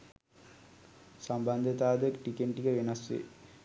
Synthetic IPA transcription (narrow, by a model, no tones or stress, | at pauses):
samband̪ʱət̪aːd̪əʈikeɳʈiɡəʋenɐsʋḛ